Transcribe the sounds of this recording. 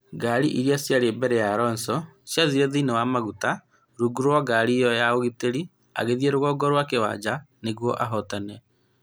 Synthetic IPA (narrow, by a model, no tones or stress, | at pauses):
ɡaːɾiʔiɾiasjaɾebɛɾɛjaɾɔnsɔsjaðiɾɛðiːnewamaɣuta | ɾuɡuɾwaɡaɾijɔjaoɣiteɾi | a̰ɣeðjeɾoɣɔɡɔɾwakewa̰d͡ʑa | neɣwɔʔaɦɔtanɛ